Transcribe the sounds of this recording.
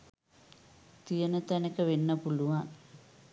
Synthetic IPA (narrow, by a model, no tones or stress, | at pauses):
t̪ijənət̪ænekəʋenːəpuluʋan